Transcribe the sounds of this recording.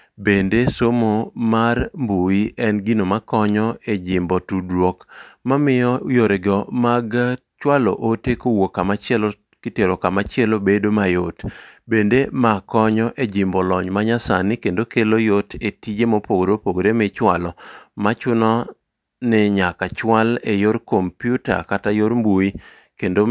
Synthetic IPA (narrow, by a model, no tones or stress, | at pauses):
bendesomomarmbuiʔɛnɡinomakɔɲɔed͡ʒɪmbɔtudwokmamɪjɔjoɾeɡɔmaɡ | t͡ʃwalɔ̰ʔotekowokːamat͡ʃɛlo | kɪteɾokamat͡ʃɪɛlobedomajotbendemakɔɲɔʔed͡ʒɪmbɔlɔɲmaɲasanɪkendokelojotetid͡ʒemopoɡɾopoɡɾemɪt͡ʃwalɔmat͡ʃʊnɔ | nɪɲakat͡ʃwalejoɾkompjuta̰katajoɾmbui | kendo